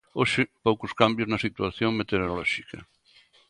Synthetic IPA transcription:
oʃɪpowkʊskambjʊznɐsit̪waθjoŋmet̪eɾɾolɔʃikɐ̰

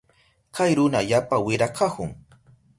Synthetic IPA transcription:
kajɾʊnaʎapawɪɾakʰahʊŋ

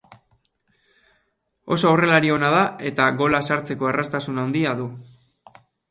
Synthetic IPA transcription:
o̞̰soore̞laɾio̞nað̞ae̞t̪aɣo̞lasaɾt͡se̞ko̞erast̪asunawnd̪iaðu

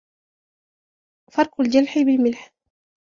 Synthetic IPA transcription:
fɑɾˤqʊld͡ʒalħɪbɪlmɪlħ

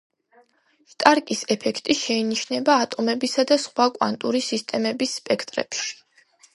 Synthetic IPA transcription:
ʃt̪ʼaɾkʼisɛpʰɛkʰt̪ʼiʃɛiniʃnɛbaːt̪ʼɔmɛbisad̪asχwakʼwa̰nt̪ʼuɾisist̪ʼɛmɛbisːpʼɛkʰt̪ʼɾɛ̰pʃi̥

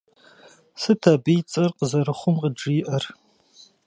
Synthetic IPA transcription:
sɨtʰɐbijt͡sʼɐrqəzɐɾɨχʷʊmqəd͡ʒiːʔɐr

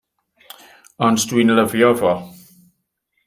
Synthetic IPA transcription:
ɔnsdwinləvjɔvɔ

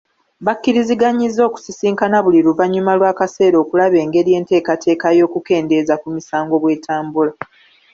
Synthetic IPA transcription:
βakːiɾiziɡaɲizːo̞ːku̥sisiːŋkanaβuliɾuvaɲːumalwaːkase̞ːɾo̞ːkulaβe̞ːŋɡe̞ɾje̞ːnte̞ːkatʰe̞ːkajo̞ːkuke̞ːnde̞zakumisaːŋɡo̞βwe̞ːtʰaːmbula

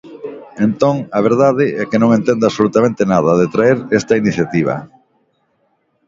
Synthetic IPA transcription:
ent̪õŋaβ̞eɾðaðɪɛkɪnõŋẽnt̪end̪asolut̪amẽnt̪enaðɐðet̪ɾaeɾɛst̪ɐiniθjat̪iβ̞ɐ̰

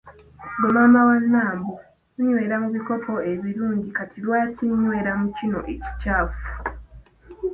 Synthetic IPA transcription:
ɡomaːmawanːaːmbo | uɲwe̞ːɾamuβiko̞po̞eβiɾuːɲɟikatʰilwaːciɲːwe̞ːɾamucino̞̰ʔeci̥caːfu̥

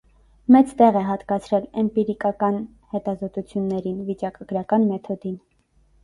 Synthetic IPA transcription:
mɛt͡st̪ɛʁɛɦɑt̪kɑt͡sʰɾɛlɛmpiɾikɑkɑn | hɛt̪ɑzɔt̪ut͡sʰjunːɛɾinvit͡ʃɑkɑɡ̥ɾɑkɑnmɛt̪ʰɔd̪in

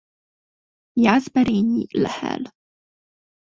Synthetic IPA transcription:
jazbɛɾɛɲiːlhɛ̰l

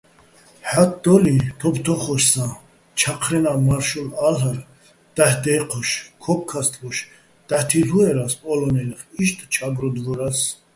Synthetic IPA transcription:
ħat̪̚d̪ɔlit̪ʰɔbt̪ʰɔχɔʃsã | t͡ʃʰaqʰɾɛnamaɾʃulalaɾ | d̪̥ahd̪ɛqʰɔʃkʰɔp̚ʰkʰast̪ʼvɔʃ | d̪̥aht̪ʰiluɛɾaspʼɔlɔnɛliχiʃt̪ʰʼt͡ʃʰabɾɔd̪vɔɾas

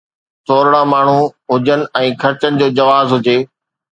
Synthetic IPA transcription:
t̪ʰoːɾɽamaːɳ̤uɦʊd͡ʑənɪ̆ɛ̃ːkʰɐɾt͡ɕənɪ̆d͡ʑoːd͡ʑɐʋaːzɦʊd͡ʑeː

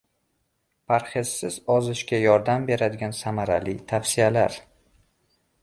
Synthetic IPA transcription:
pʰaɾχesːɪzɒzɪʃkʲajɒɾd̪ambe̞ɾad̪ɪɡʲansamaɾa̰lit̪ʰafsɪala̰ɾ

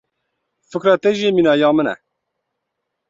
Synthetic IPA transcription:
fɨkɾɑːt̪ɛʒiminɑːjɑːmɨnɛ̰

